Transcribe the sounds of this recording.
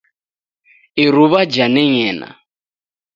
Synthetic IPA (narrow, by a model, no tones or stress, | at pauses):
iɾuβad͡ʒanɛɲɛːna̰